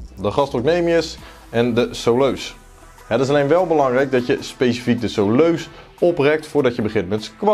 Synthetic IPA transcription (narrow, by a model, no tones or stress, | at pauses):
dəχɑstoknejmiəs | ɛndəsowløɥs | hɛətɪs̬alejnʋɛlˠbəlɑŋrɛjk̚dɑtjəspejsifik̚dəsowløɥs | ɔprɛk̚tfʊːɹdɑtjəbəχɪnmɛnskʋa